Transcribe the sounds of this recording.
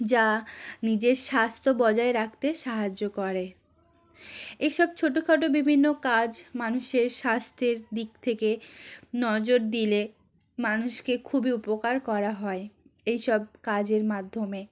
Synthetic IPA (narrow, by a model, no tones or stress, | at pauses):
d͡ʑanid͡ʑeɾʃast̪ʰobɔd͡ʑaeɾak̚ʰt̪eʃaɦad͡ʑokɔɾe | ejʃɔb̚t͡ɕʰoʈokʰaʈ̬obibʱinːokad͡ʑmanuʃeɾʃast̪ʰeɾd̪ik̚t̪ʰekenɔd͡ʑoɾd̪ile | manuʃkekʰubiupokaɾkɔɾaɦɔeejʃɔb̚kad͡ʑeɾmad̪ʱːome